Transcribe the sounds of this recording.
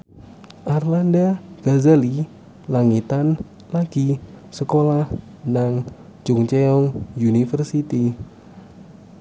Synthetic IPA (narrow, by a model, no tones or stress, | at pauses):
ʔarlandaɡ̥azali | laŋit̪an | laɡ̥isəkolah | naŋ | d͡ʒuŋt͡ʃɛɔŋjunifərsit̪i